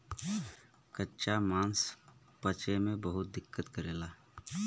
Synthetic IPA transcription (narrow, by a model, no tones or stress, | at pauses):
kətːʃamãːns | pət͡ʃemẽbəɦʊt̪̚d̪ɪkːət̪kəɾeːlaː